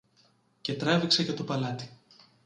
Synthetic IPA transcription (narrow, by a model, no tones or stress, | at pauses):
ce̞t̪ɾevikseʝɐt̪o̞pɐlɐt̪i̥